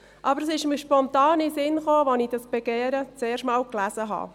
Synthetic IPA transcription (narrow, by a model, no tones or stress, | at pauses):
ʔɑbəɾəsɪʃmiʃpɔnt̪ɑːnisɪnχoːʋɔnid̥ɑsb̥ɛɡ̥eːɾət͡seːɾʃmɑːwklæzəɦɑ̰ː